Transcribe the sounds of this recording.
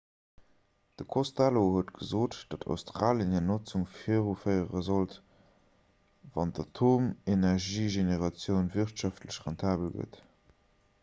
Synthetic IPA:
d̥əkʰostalohuətɡəzoːtd̥ɑtʰɑ̰ʊstʁaːljənenot͡suŋfiʁufəɪəʁəzolt | vɑndɑtʰoːmenɛʁʒiːʒeneʁɑt͡sjəʊnviχtʃɑftləɕʁɑntʰaːbəlɡə̰t

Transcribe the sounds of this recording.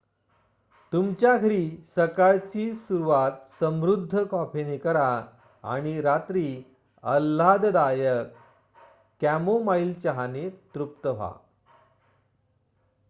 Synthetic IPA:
t̪umt͡ɕjaɡʰʱəɾiːsəkaɭt͡ɕiːsuɾuʋat̪səmɾud̪ʱːəkɔpʰenekəɾa | a̰ɽ̃iɾat̪ɾiː | əlːad̪d̪ajəkː | æmomailt͡ɕəɦanet̪ɾup̚t̪əʋ̤a̰

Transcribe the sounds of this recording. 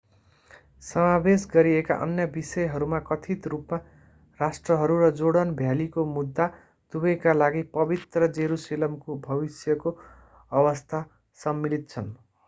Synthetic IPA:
sʌmabesɡʌɾieka̰ʔʌ̰njʌbisʌjɦʌɾumakʌt̪ʰit̪rupma | rasʈrʌɦʌɾuɾʌd͡zoɽʌnbʱjalikomud̪ːa | d̪̥ubʌjkalaɡipʌbit̪rʌd͡zeɾuselʌmkobʱʌbisjʌko | ʌbʌst̪ʰa | sʌmːilit̪̚t͡sʰʌn

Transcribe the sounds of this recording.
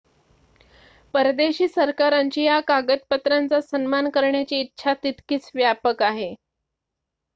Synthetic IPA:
pəɾd̪eɕiːsəɾkaɾaɲt͡ɕiːjakaɡət̪̚pət̪ɾant͡sasənmankəɾɳjat͡ɕiːtːɕʰat̪it̪kiːt͡sʋjapəkaɦe

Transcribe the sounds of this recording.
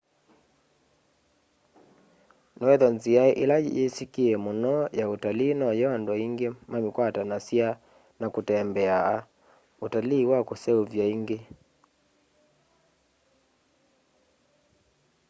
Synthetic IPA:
nɔɛðɔnziaʔḭla̰esikiɛmonɔjautaliːnɔjɔndɔiŋɡemamikwatanasia | nakutɛmbɛaa | utaliːwakosɛuvjaiŋɡe

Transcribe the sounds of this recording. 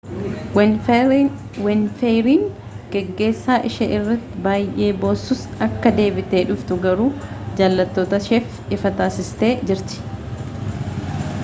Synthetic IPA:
wɛnfeɾiːŋ | ɡ̥ɛɡːe̞ːsːaːʔɪʃɐʔɪrːɐt̪ːɪbaːjʔe̞ːbo̞ːsːʊsɐkːɐd̪e̞ːbɪt̪e̞ːᶑʊft̪ʊɡɐɾuːd͡ʒaːlːɐt̪ːoːt̪ɐʃɛf | ɪfɐt̪aːsɪst̪e̞ːd͡ʒɪɾt̪ɪ̥

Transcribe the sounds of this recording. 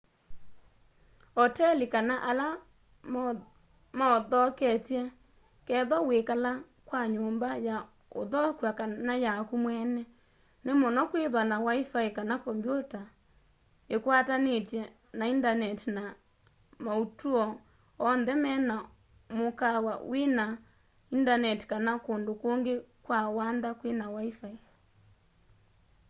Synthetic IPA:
ɔtɛlikanaʔala | maɔðɔkɛtjɛ | kɛðɔwekala | kwaɲoːmbaja | o̰ðɔkwakanajakumwɛnɛ | nemɔnɔkweðwanawaifaekanakɔmbjota | ekwatanetjɛ | naindanɛtina | mautuɔ | ɔnðɛmɛna | mokawawena | indanɛti̥kanakondokoŋɡekwawandakwenawaifai

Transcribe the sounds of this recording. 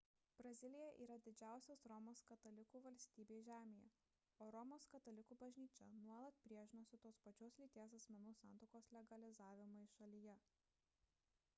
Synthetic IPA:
b̥ɾɐzʲɪlʲɪjɛʔiːɾɐd̪ʲɪd͡ʒʲæˑʊsʲoːsɾɔmoːskɐt̪ɐlʲɪkuːʋɐlʲsʲt̪ʲiːbʲeːʒʲæːmʲejɛ̰ | oːɾɔmoːskɐt̪ɐlʲɪkuːbɐʒʲnʲiːt͡ʃʲɛnuɔlˠɐt̪̚pʲɾʲiɛʒʲɪnoːsʲʊt̪oːspɐt͡ʃʲoːslʲiːt̪ʲeɛs̬ɐsʲmʲɛnuːsɑˑnt̪oːkoːslʲɛɡɐlʲɪzɑːʋʲɪmoɪʃɐlʲɪjɛ

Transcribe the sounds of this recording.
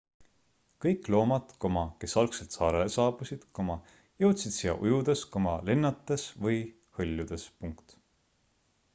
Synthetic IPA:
kɤjkˑlo̞ːmɑt̪ko̞mɑke̞sɑlkse̞lt̪sɑːɾelesɑːb̥usid̪̥ko̞mɑ | jɤwt̪sid̪sijɑ̰ʔujud̪̥e̞sko̞mɑlenːɑt̪ːˑe̞svɤj | hɤlʲːud̪̥e̞spuŋkt̪

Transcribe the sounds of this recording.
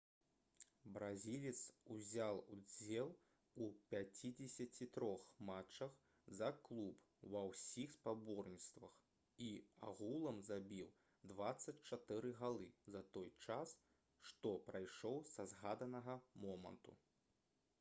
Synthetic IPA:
bɾazʲilʲit̪suzʲalˠud͡zʲɛlˠ | upʲat͡sʲid͡zʲesʲɐt͡sʲit̪ɾɔxmat͡ʂːɐx | zɐklˠup | wɐwsʲixspabɔrnʲit̪st̪vɐx | ia̰ɣulˠɐmzabʲiw | d̪vat̪sːɐt͡sʲt͡ʂat̪ɨɾɨɣalˠɨzɐt̪ɔjt͡ʂas | ʂt̪ɔpɾajʂɔwsɐzɣad̪ɐnɐɣɐmɔmɐ̰nt̪ṵ

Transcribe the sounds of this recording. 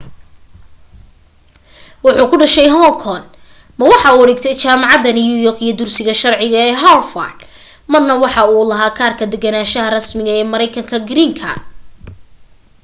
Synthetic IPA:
wɑħuːkʰʊɖɐʃɛjɦɔlkʰɔn | mɐwɑħɑuːɐɽɛːɡt̪ʰɛjt͡ʃaːmɑʕɑðɐnɪjujɔkijɔd̪ʊrsɪɣɐʃɐrʕɪɣɐɛːɦalfɐ̰rd̪ | mɐrnɐwɑħɑuːlɐɦaːkʰaːrkʰɐd̪ɛɡɐnaːʃɐɦɐrɐsmɪɣɐɛːmɐɾɛjkʰɐŋkʰɐɡɪɾiːŋkʰɐ̰

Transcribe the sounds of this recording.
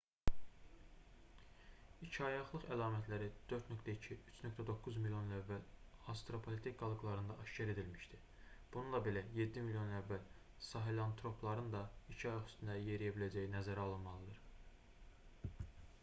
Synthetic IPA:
icʰɑjɑχlˠɯχælˠɑːmæt̪ʰlæɾid̪̥øɾt̪nøkt̪ʰæicʰiyt͡ʃʰnø̞k̚t̪ʰæd̪o̞kːuzmiljo̞nlævːælɑst̪ɾo̞pʰolʲet̪ʰek̚ɡɑlˠɯɡlˠɑɾɯnd̪ɑʔɑʃcæɾe̞d̪ilmiʃd̪i | b̥ununlˠɑbe̞læje̞d̪ːimilʲjo̞nlævːæl | sɑɦelɑnt̪ʰɾo̞pʰlˠɑɾɯnd̪ɑicʰɑjɑχyst̪ynd̪æje̞ɾijæbilæd͡ʒæjinæzæɾæɑlˠɯnmɑlˠɯd̪ɯɾ

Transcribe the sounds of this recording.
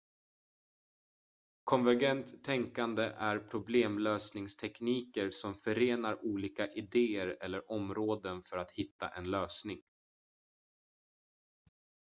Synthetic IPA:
kʰɔnvæɾɡɛnt̪ʰːɛŋkand̪əʔæɾpʰɾʊbleːmløːsnɪŋst̪ʰɛkniːkəɾsɔmfœɾeːnaɾuːliːkaʔɪd̪eːəɾɛlːəɾʔɔmɾoːd̪ənfœɾat̪hɪt̪ːa̰ʔɛnløːsnɪŋ

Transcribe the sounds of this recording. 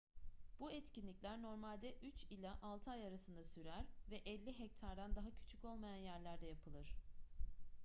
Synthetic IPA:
b̥uɛt̪cinlʲicʲlʲæɾno̞ɾmalʲd̪ɛʔyt͡ʃilʲaʔalˠt̪ʰajaɾasɯnd̪asyɾæɾvɛʔɛlʲːiɦɛc̚t̪ʰaɾd̪and̪aɦacʰy̥t͡ʃʰyco̞lˠmajanjæɾlʲæɾd̪ɛjapʰɯlˠɯɾ̝̥

